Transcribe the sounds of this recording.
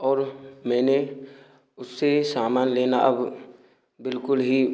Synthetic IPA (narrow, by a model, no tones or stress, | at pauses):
ɔːɾmɛ̃ːne | ʊsːesaːmaːnleːnaʔɐb | bɪlkʊlɦi